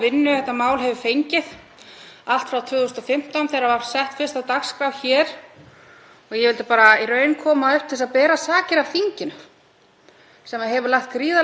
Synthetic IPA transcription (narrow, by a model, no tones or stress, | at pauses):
vɪnːʏθɛht̪ːamaːwlɦɛvʏfejɲcɪð | al̥t̪fɾawt̪ʰʏːɣʏst̪ɔfɪm̥t̪anθɛːɾavaɾ̥sɛht̪fɪɾ̥st̪awt̪axskɾawçɛːɾ̥ | ɔɣjɛvɪlt̪ɪpaːɾairœːɥnkʰɔːmaʏhpt̪ʰɪs̬aðpɛːɾasaːcɪɾav̥θiɲcɪnʏ | sɛmaðɦɛvʏɾlaht̪̚kɾiːða